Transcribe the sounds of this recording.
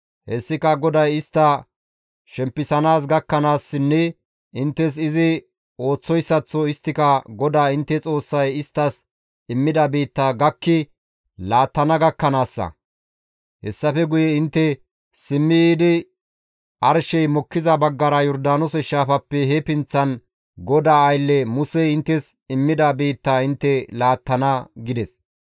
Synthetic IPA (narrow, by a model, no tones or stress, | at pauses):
hɛsːɪkɐɡɔd̪ɐjɪst̪ːɐ | ʃɛmpːɪsɐnaːs̬ɡɐkːɐnaːsːɪnːɛ | ʔɪnt̪ːɛs̬ɪzɪ | o̞ːt͡sːɔjsːɐt͡sːɔɪst̪ːɪkɐɡɔd̪aːɪnt̪ːɛt͡sʼo̞ːsːɐjɪst̪ːɐs | ɪmːɪd̪ɐbiːt̪ːɐɡɐkːɪ | laːt̪ːɐnɐɡɐkːɐnaːsːɐ̰ | hɛsːɐfɛɡʊjɛɪnt̪ːɛ | sɪmːɪjiːd̪ɪ | ʔɐɾʃɛjmɔkːɪzɐbɐɡːɐɾɐjɔɾd̪aːnɔsɛʃaːfɐpːɛɦɛpɪnt͡sːɐn | ɡɔd̪aːjlːɛmʊsɛɪnt̪ːɛsɪmːɪd̪ɐbiːt̪ːaɪnt̪ːɛlaːt̪ːɐnɐɡɪd̪ɛs